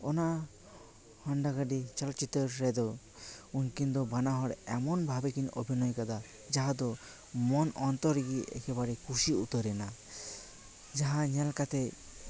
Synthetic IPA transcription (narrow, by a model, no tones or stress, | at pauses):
ɔna | hɔnɖaɡaɖit͡ʃɔlɔt͡ʃit̪ɔɾːɛd̪ɔ | unkind̪ɔbanaɦɔɽɛmɔnbʱabɛkino̰bʱinɔjkad̪a | d͡ʒaɦad̪ɔ | mɔnʔɔnt̪ɔɾɡiʔɛ̰kʰɛbaɾɛkʰuʃiut̪ɔɾɛna | d͡ʒaɦãɲɛlkat̪ɛ